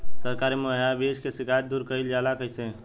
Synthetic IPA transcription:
səɾkaːɾimoɦabeːʃkesɪkʰaːjət̪̚d̪uːɾkəɪld͡ʒaːlakəɪse

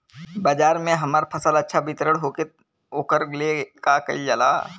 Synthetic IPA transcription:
bəd͡ʒaːɾmẽɦɐmaːɾpʰəsəlɐtːʃʰabɪt̪ɾəɽɦoːke | oːkəɾlekakə̰id͡ʒəla̰ː

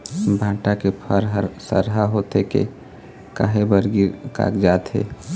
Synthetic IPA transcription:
bʱãːʈakepʰəɾɦəɾsə̰ɾɦaɦoːt̪ekḛ | ka̰ɦebəɾɡiɾka̰ːkd͡ʒaːt̪ɦḛː

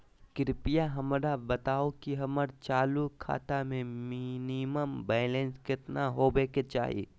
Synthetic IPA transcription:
kɪɾpijaɦɐmɾabɐt̪aːokiɦɐməɾt͡ʃaːlukʰa̰ːt̪amẽminiməmbɛːlẽnskɪt̪naɦobeːket͡ʃa̰ːɦḭː

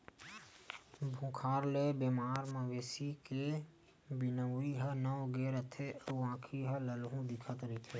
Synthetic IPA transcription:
bʱũkʰaːɾlebemaːɾməɡeːsike | bɪnəwiɦənəwɡeːɾət̪ʰeəãːkʰiɦələlɦũd̪ɪkʰət̪ɾit̪ʰeː

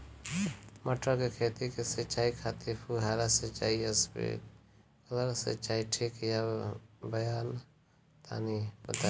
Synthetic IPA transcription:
mɐʈɾakekʰeːt̪ikeset͡ʃaːikʰat̪ipʰuɦaːɾaset͡ʃaːiɐsbḛ | kələɾsə̰t͡ʃaːiʈʰiːkjabəjaːn | t̪ʰa̰ːnipət̪a

